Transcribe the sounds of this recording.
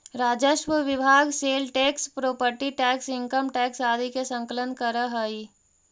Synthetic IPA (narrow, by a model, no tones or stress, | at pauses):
ɾaːd͡ʒəʃwəʋɪbʱaːɡseːlʈeːkspɾoːpəɾʈiʈɛːksɪ̃ŋkəmʈɛːksaːd̪ʱikesə̃ŋkələnkəɾəɦəi